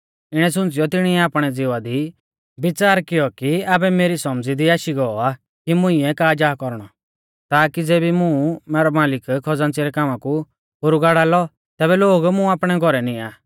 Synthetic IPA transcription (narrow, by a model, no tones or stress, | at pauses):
ɪɽ̃ɛsʊ̃nt͡sɪjɔt̪ɪɽ̃iɛaːpɽ̃ɛd͡zɪʋad̪i | bɪt͡saːɾkɪjɔkiaːbɛmeːɾisɔmd͡zid̪iaːʃiɡɔɔa | kimʊ̃ɪ̃ɛkaːd͡ʒaːkɔɾɽ̃ɔ | t̪aːkid͡zeːbimũmɛːɾɔmaːlɪkkʰɔd͡zãːnt͡siɾɛkaːmãku | bʊɾuɡaːɽaːlɔ | t̪ɛːbɛloːɡmũaːpɽ̃ɛɡʱɔɾɛniaː